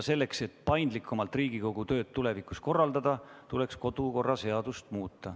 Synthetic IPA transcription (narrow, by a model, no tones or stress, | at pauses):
se̞lːe̞kse̞t̪ːˑpɑjnd̪likʰːˑumɑlt̪riːɡ̥iko̞ɡ̥ut̪ø̞ːd̪̚t̪ːule̞vikˑusko̞rːɑld̪ɑd̪̥ɑt̪ule̞ksko̞d̪̥uko̞rːɑse̞ɑd̪̥ust̪muːt̪ːɑ